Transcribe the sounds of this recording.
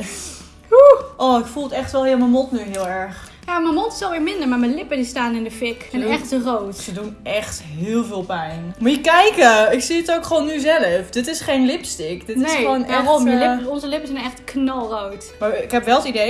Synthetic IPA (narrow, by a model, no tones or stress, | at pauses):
uʔoɪkfulˠətɛχtʋɛlˠhɪəməmɔtnyɦɪəlˠɛɹχ | jaməmɔtɪ̥sɔlˠʋɪːɹmɪndəɹmaɹməlɪpədistaːnɪndəfɪkɛnɛxtərowtsədunɛχtɦɪːlˠvɪːlˠpɛjnmuəkɛjkəɪksiətowkχʋownːyzɛləfd̥ɪtɪsχejnlɪpstɪkd̥ɪtɪnesχoːnɛrɔəlɪɔnzəlɪpəsɛnɛχtknɑlˠrowt | maɹɪkɦɛpʋɛlˠətidej